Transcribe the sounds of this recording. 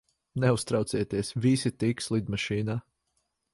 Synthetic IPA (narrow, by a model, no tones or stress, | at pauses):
nɛust̪ɾɑwt̪siɛt̪iɛsvisit̪ikslˠid̪maʃiːnaː